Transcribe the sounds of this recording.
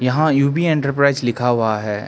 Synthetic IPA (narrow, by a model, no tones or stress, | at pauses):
jɐɦãjuːbiẽːɳʈəɾpɾaɪzlɪkʰaɦʊaɦɛː